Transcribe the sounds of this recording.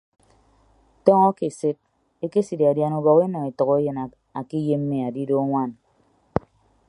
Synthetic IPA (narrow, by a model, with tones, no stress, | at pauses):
tɔ˦ŋɔ˦ke˨se˦t̚ | e˦ke˦si˨di˨a˨dja˨nu˨bɔ˨ɣe˦nɔ˨e˨tɔ˨ɣɔ˦e˦jɨ˨n˨ | a˨ki˦je˦m̩ː˦e˨a˨di˦do˦ŋʷa˦n